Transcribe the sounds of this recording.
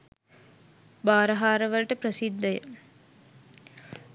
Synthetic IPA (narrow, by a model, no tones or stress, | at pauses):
baːɾɐɦaːɾəʋəlʈəprəsid̪ːəjə̰